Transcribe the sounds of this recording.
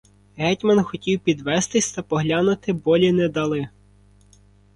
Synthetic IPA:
ɦɛtʲmɐnxɔtʲiwpʲid̪ʋɛst̪ɪsʲt̪ɐpɔɦlʲanʊt̪ɪbɔlʲinɛd̪ɐlˠɪ

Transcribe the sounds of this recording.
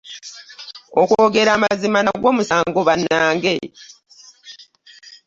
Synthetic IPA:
okoɡe̞ɾaːmazimanaɡwo̞ːmusaːŋɡo̞βanːaːŋɡe̞

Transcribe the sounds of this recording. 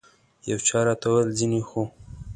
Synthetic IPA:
jawt͡ʃɑɾɑt̪awəlzinixo

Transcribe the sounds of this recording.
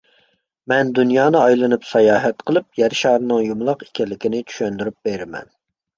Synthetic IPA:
mɛnd̪unjɑːnɨɑjlˠɨnɨpsɑjɑːɦɛt̪qʰəlˠɨp̚jɛɾʃɑːɾɨnɨŋjumlˠɑqi̥kʲɛlːɪkʲinɪt͡ʃʰy̥ʃɛnd̪yɾyp̚b̥eɾɪmɛ̰n

